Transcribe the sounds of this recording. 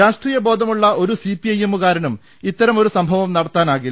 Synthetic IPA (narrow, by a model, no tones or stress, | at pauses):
ɾaːʂʈriːjɐbo̞ːd̪ʱɐmuɭːɐʔo̞ɾusipiɐjemːukaːɾɐnum | it̪ːɐɾɐmo̞ɾusɐmbʱɐʋɐmnɐɽɐt̪ːaːnaːɣi